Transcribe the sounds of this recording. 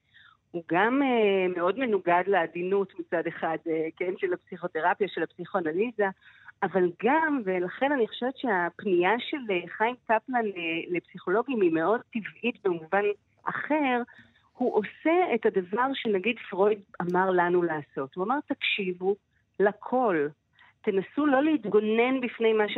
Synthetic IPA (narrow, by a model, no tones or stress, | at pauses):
huɡameme̞o̞dme̞nuɡadleːdinutmit͡sade̞χadeke̞nʃelapsiχo̞te̞ʁapjaʃe̞lapsiχoanalizaː | valɡamve̞laχe̞naniχoʃevet̪t͡ʃeapniaʃe̞leχajmtaplanele̞psiχo̞lo̞ɡimime̞o̞d̚tivʔitbemuvan | ʔa̰χe̞ʁ | huʔo̞se̞etadavaʁʃenaɡidfʁo̞jdamaʁlanulaːso̞thuamaʁt̪akʃivu | lakʰo̞l | te̞nasulo̞lehitɡo̞ne̞nbifne̞jmaʃ